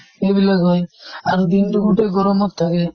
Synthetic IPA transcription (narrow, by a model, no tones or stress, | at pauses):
ebilaɡɔjaɾd̪inʈuɡuʈeɡɔɾɔmɔtt̪ʰːake